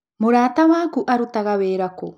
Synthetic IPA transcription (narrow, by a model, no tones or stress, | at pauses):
moɾaːt̪awaːkuʔaɾut̪aɣaβeːɾako